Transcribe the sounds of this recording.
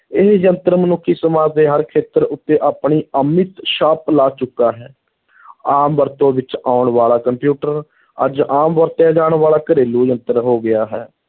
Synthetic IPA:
ɪɦjənt̪əɾmənʊkʰːiːsəmaːd͡ʒd̪eːɦəɾkʰeːt̪əɾʊt̪ːeːʔaːpɳiːəmɪt̪ʃaːplaːt͡ʃʊkːaːɦɛː | aːmbəɾt̪õːʋɪt͡ʃaːʊɳʋaːlaːkəmpjuːʈəɾ | ə̰d͡ʒaːmʋəɾt̪jaːd͡ʒaːɳʋaːlaːkəɾeːluːjənt̪əɾɦoːɡɪjaːɦɛː

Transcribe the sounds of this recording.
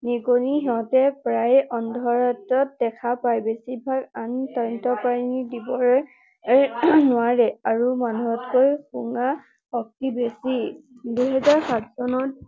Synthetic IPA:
niɡoniɦɔtɛpɹajɔndʱɔɹatɔt̚dɛkʰapajbesibʱaɡantɔɹɔntɔpaɹinidibɔɹɛ | nʊaɹɛaɹumanuɦɔtkojxuŋa | ɔk̚tibesiduɦɛzaɹsatsɔnɔt

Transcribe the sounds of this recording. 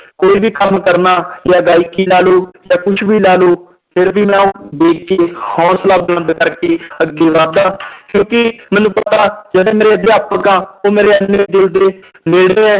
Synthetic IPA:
koːiːbiːkəmkəɾnaːjaːɡaːikiːlaːloːjaːkʊt͡ʃʰbiːlaːloː | pʰɪɾbiːmãːũːbeːkkeːhɔ̃ːslaːbnãːb̪ekəɾkeːəɡːeːʋaːd̪aːkjõːkɪmɛ̃ːnũːpət̪aːd͡ʒeːdeːmeːɾeːəd̪eːapːəkaːoːmeːɾeːənːẽːd̪ɪld̪eː | meːɽeːɛ̃ː

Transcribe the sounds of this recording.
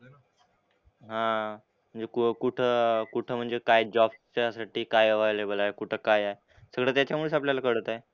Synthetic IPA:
ɦã | m̤əɳd͡zekukuʈʰəːkuʈʰəːm̤əɳd͡zekajd͡ʑɔbt͡ɕasaʈiːkajəʋajlebəlaekuʈʰəkajae | səɡɭaːt̪jat͡ɕjamuɭəsapljalakəɽət̪ae

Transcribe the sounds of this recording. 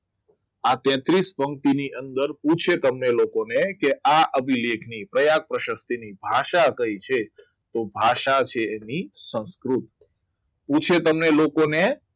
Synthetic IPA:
at̪ɛ̃t̪ɾispəŋt̪iniʔənd̪əɾpũt͡ʃʰet̪əmnelokonekeʔaʔəbʱilekʰnipɾəjak̚pɾəʃəst̪inibʱaʃakəit͡ʃʰe | t̪obʱaʃat͡ʃʰeːnisə̃ñskɾut̪̚ | pũt͡ʃʰet̪əmnelokone

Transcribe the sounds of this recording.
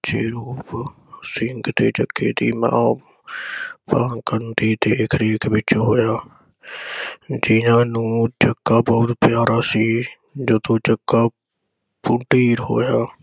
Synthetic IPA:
t͡ʃeːɾuːp | sɪŋɡt̪eːt͡ʃəkʰːeːt̪iːmã̰ː | paːnkənt̪iːt̪ekʰɾeːkʰbɪt͡ʃɦoːjaː | d͡ʒiːnãːnũːt͡ʃəkːaːbəːʊt̪pjaːɾaːsiː | d͡ʒoːt̪uːt͡ʃəkːaː | pʊʈiːɾɦoːjaː

